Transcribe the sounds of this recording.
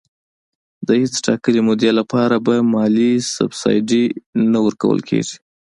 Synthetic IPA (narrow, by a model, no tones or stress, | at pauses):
d̪əhet͡sʈɑkəlimʊd̪jalapɑɾabamɑlisʊ̰bsɑ̰jɖinawəɾkawə̰lkʰḛʐi̥